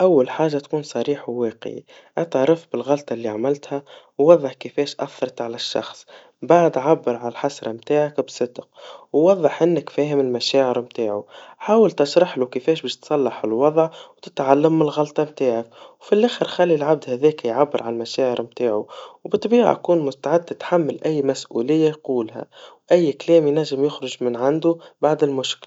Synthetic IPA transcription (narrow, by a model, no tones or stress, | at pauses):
ʔawːælħaːʒːat̪kuːnsˤɑɾiːħwwæːqʕḭ | ʔæt̪əʕɾˤɑfbɪlɣɑlt̪ˤɑlːiaʕmɪlt̪hæ | wːɑðˤːɑħkəfɛːʃʔæ̰θːɑɾˤɑt̪ʕalæʃːɑ̰xsˤ | baʕd̪ʕabːəɾʕalælħasɾˤɑmt̪aːʕakbsˤɨd̪qwwɑðˤːəħʔɪnːəkfɛːɦɪmɪlmæʃæːʕəɾmt̪aːʕuħaːwəlt̪ɪʃɾˤɑħlukəfɛːʃbɛːʃt̪sˤɑlːɑħɪlwɑðˤʕwt̪ɪt̪ʕalːəmːɪlɣɑlt̪ˤɑmt̪aːʕakwfilʔæːxəɾxalːilʕab̚d̪hæðɛːkæjʕabːəɾʕalmæʃæːʕəɾmt̪aːʕuwbɨt̪ˤːbiːʕa̰ʔkuːnmʊst̪aʕɪd̪̚t̪ɪt̪ħamːɪlʔæjːmæsʔṵːlɪjːajquːlhæ̰wʔæjːklɛːmjnæʒːɪmjʊxɾʊʒmɪnʕand̪ubaʕd̪ɪlmʊʃkɪl